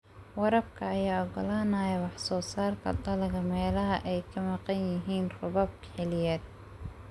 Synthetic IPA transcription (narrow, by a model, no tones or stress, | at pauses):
wɑɾɐb̚kʰɐːjaːɔɡɔlaːnɐːjɐwɑħsɔːsaːrt̪ʰɐ̰dɐlɐɣɐmɛːlɐɦɐʔɛjkʰɐmɑqɑnjɪɦiːnrʊβɐb̚ | ħɛlɪjɛːd̪̚